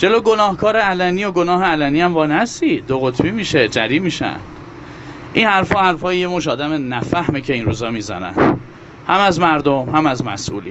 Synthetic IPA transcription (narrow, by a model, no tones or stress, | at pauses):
d͡ʒe̞loːɡonɒːhkʰɒːɾeælænijo̞ɡo̞nɒːɦeælæniːæmbɒːnæst̪iːd̪oɣot̪ʰbiːmiːʃe̞d͡ʒæɾiːmiːʃæ̰nd̪̥ | ʔinhæɾfɒːhæɾfɒːjejemoʃ̬ɒːd̪æmenæfæhmecʰe̞inɾuːzɒːmiːzæ̰næ̰nd̪̥ | hæmæzmæɾd̪omhæmæzmæ̰sʔṵːlḭː